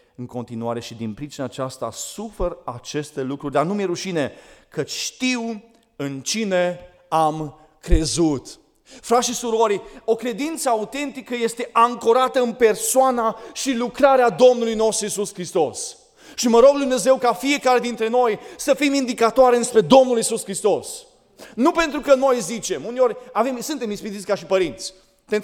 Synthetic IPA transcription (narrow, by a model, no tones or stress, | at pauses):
ɨŋko̞nt̪inuaɾe̞ʃid̪inpɾit͡ʃinaːt͡ʃast̪a̰suferat͡ʃe̞st̪e̞lukɾurʲd̪arnumjeɾuʃinekət͡ʃʲʃt̪iw | ɨnt͡ʃine̞ | am | kɾe̞zut̪ | fɾaʃisuɾo̞ɾʲo̞kɾe̞d̪int̪səaut̪e̞nt̪ikəje̞st̪e̞ʔaŋkoɾat̪əɨnpe̞rsoanaʃilukɾaɾead̪o̞mnulujno̞st̪ɾuisuskɾist̪o̞s | ʃiməɾo̞ɡd̪umne̞ze̞wkafie̞kaɾe̞d̪int̪ɾe̞no̞jsəfimind̪ikat̪oaɾeɨnspɾe̞d̪o̞mnulisuskɾist̪o̞s | nupe̞nt̪ɾukəno̞jzit͡ʃe̞muneo̞ɾʲave̞msɨnt̪e̞mispid̪it̪sʲkaʃipəɾint̪sʲ | t̪e